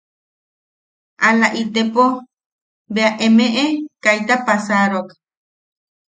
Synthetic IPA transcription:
ʔalaʔit̪epo | beaʔemeʔekajt̪apasaɾok

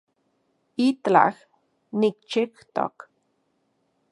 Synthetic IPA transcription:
it̪la̰x | nikt͡ʃikt̪o̰k

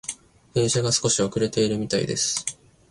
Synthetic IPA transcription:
he̞ːɕaɡasɨ̥ko̞ɕio̞kɯ̟ɾe̞t̪e̞iɾɯ̟mʲit̪aḭd̪e̞̰sɨ̥

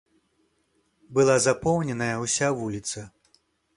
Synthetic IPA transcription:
bɨlˠazapɔwnʲɛnɐjɐwsʲavulʲit̪sɐ

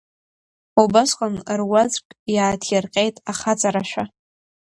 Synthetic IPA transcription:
ubasqʷʼanrwat͡sʼkʼjaːtʰjarqʲʼejtʼaχat͡sʼaɾaʃᶣʷa

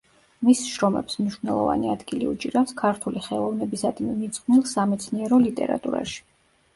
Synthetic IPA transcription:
misʃɾɔmɛ̰psmniʃnɛlˠɔ̰va̰niad̪ɡiliut͡ʃʼiɾafskʰaɾt̪ʰuliχɛlˠɔvnɛbisad̪mimid̪sʼχnilˠsamɛt̪sʰniɛɾɔlit̪ʼɛ̰ɾa̰t̪ʼuɾa̰ʃi̥

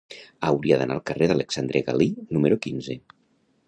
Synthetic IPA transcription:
əwɾiaðənʔaːlˠkəreðaləksand̪ɾeɣa̰linuməɾukinze

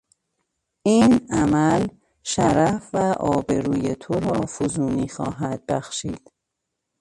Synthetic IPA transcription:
iːnæmæl | ʃæɾæfvæʔɒːbe̞ɾuːjet̪ʰoɾɒːfozuːniːxɒːɦæd̪̥̚bæxʃiːd̪̥

